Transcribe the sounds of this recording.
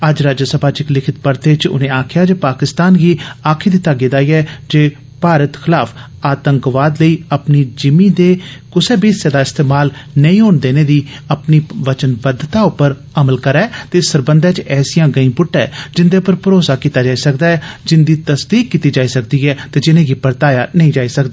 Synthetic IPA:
əd͡ʒɾaːd͡ʒəsəbʱaːt͡ʃɪklɪkʰɪt̪̚pəɾt̪eːt͡ʃʊ̰nẽːaːkʰɪjaːd͡ʒeːpaːkɪst̪aːnɡiːaːkʰeːd̪iːt̪aːɡeːd̪aːiːɛːd͡ʒeː | paːɾət̪xʰɪlaːf | aːt̪əŋkʋaːd̪ləiːəpniːd͡ʒɪmiːd̪eːkʊseːbiːsaːd̪aːɪst̪eːmaːlnəĩːɦoːnd̪eːneːd̪iːəpniːʋət͡ʃənbəd̪t̪aːʊpːəɾ | əməlkəɾɛːt̪eːsəɾbənd̪ɛːt͡ʃɛːsijãːɡəĩːbʊʈːɛːd͡ʒɪnd̪eːʊpəɾpəɾoːsaːkiːt̪aːd͡ʒaːisəkd̪aːɦɛːd͡ʒɪnd̪iːt̪əsd̪iːkːiːt̪iːd͡ʒaːiːsəkd̪iːɛːt̪eːd͡ʒɪnẽːɡiːpəɾt̪aːjaːnəĩːd͡ʒaːiːsəkd̪aː

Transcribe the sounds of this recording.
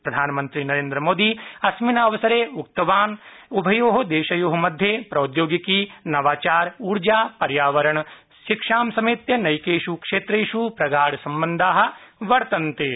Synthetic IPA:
pɾɐd̪ʱaːnɐmɐnt̪ɾinɐɾẽːnd̪ɾɐmoːd̪iɐsminɐɐʋɐsɐɾeːuk̚t̪ɐʋaːnubʱɐjoːɦɐd̪eːʃɐjoːɦɐmɐd̪ʱjeːpɾɐwt̪joːɡikinɐʋaːt͡ʃaːɾuːɾd͡ʒaːpɐɾjaːʋɐɾɐɳɐ | ʃikʂaːmsɐmiːt̪jɐnɐjkeːʃukʂeːt̪ɾeːʃupɾɐɡaːɽɐsɐmbɐnd̪ʱaːɦɐ̆ʋɐɾt̪ɐnt̪e

